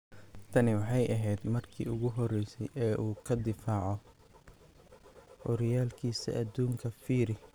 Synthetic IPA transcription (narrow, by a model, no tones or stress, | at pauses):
t̪ʰɐnɪwɑħɑjʔɐɦɛjd̪mɐrkʰḭːʊɣʊɦɔrɛjsɛjʔɛːʔuːkʰɐd̪ɪfaːʕɔ | hɔɾɪjaːlkʰiːsɐ̰ʔɐd̪uːŋkʰɐfiːɾɪ